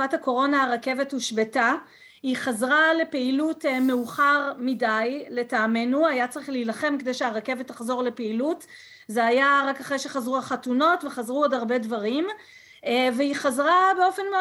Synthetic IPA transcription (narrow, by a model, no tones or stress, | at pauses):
athako̞ʁo̞naaʁake̞vetmuʃbeta | hiχazʁale̞peilutmeuχaʁmidajle̞taːme̞nuajat͡saʁiχlilaχe̞mkedejʃeaʁake̞vetaχzo̞ʁle̞peilut | zeajaʁakaχʁejʃe̞χazʁuhaχatuno̞tveχazʁuadaʁbe̞dvaʁim | veiχazʁabeo̞fe̞nme